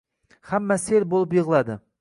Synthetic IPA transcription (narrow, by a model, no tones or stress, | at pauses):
hæmːɛselbolˠup̬jɨʁlˠɑd̪ɨ